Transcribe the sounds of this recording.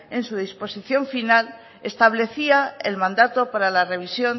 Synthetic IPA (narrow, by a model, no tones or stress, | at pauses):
e̞nsuð̞ispo̞siθjo̞ɱfinal | e̞st̪aβle̞θiaḛlmãnd̪at̪o̞paɾalare̞β̞isjo̞n